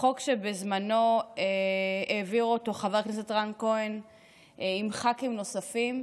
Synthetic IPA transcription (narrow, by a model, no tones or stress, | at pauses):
χo̞kʃebezmano̞eeːviʁoto̞χaveʁknes̬etʁankoen | imχakimno̞safim